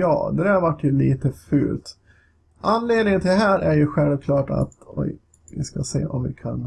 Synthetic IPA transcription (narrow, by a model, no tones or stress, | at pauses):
jɑ̰ːd̪ɛd̪æɾhɾvaʈːjɵliːt̪əfʉ̰ːlt̪ | ʔanleːd̪nɪŋənt̪ʰɪɛɦæːɾʔæɾjɵɧɛlvkʰlɑːʈa̰t̪ɔ̰j | vɪskasḛːʔɔmvɪ̰kʰan